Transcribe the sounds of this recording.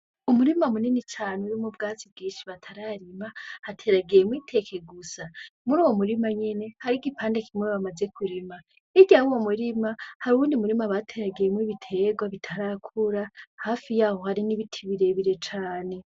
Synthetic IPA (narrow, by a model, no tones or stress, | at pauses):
umuɾimamuninit͡ʃaːnuɾimubɡaːt͡sib̚ɡiːʃiβatʰaɾaɾimahatʰe̞ɾaɡijemwiːtʰe̞kʰe̞ɡusamuɾuwo̞muɾimaɲene̞haɾiɡipʰaːndekimweβamaze̞kuɾima | iɟawuwomuɾimahaɾuβuːndiumuɾimaβatʰe̞ɾaɡijemwiβitʰe̞ɡwaβitʰaɾakʰuɾahaːfijaːho̞haɾiniβitʰiβiɾe̞βiɾe̞t͡ʃaːne̞